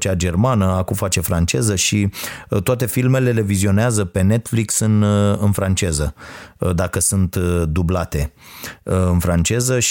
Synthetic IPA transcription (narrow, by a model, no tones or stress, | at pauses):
t͡ʃad͡ʒe̞rmanəakumfat͡ʃe̞fɾant͡ʃe̞zəʃit̪oat̪e̞filme̞le̞le̞vizio̞neazəpe̞ne̞t̪fliksɨnɨnfɾant͡ʃe̞zəd̪akəsunt̪d̪ublat̪e̞ | ɨnfɾant͡ʃe̞zəʃ